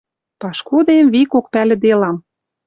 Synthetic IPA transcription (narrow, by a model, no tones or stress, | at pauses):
pɑʃkod̪emβikok̚pælʲɘ̆d̪elɑm